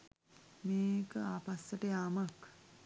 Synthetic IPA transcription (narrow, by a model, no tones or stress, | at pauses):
meːkəapasːəʈəjaːmak